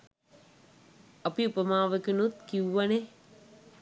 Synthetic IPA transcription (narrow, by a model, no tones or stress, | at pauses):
ɐpiupəmaːʋəkinut̪kiuʋane